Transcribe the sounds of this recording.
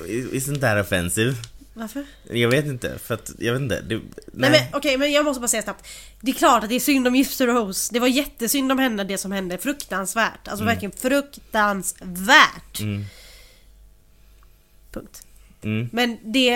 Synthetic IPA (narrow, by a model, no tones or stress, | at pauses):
ɪ̰sɔnt̪æːɾɔfɛ̰nsiːvvaɾfəɾ | jɑːɡveːt̪ɪnt̪ə̰fœɾat̪jɑ̰ːveːt̪nt̪ə̰d̪ɛɛmɛnɔkɛjmɛnjɑːɡmɔst̪əbɑːɾsɛjːasnap̚t̪ | d̪ɛːkʰlɑːʈat̪̚d̪ɛæʂʏnd̪ɔmjʏft̪əɾowsd̪ɛvaɾjɛt̪ːəsʏnd̪ɔmhɛnːəd̪ɛsɔmhɛnd̪əfɾɵkt̪ansvæːʈa̰ls̬ɔvæɾklɪɡənfɾɵkt̪ansvæːʈ | pʰɵŋk̚t̪ː | mɛnd̪ɛ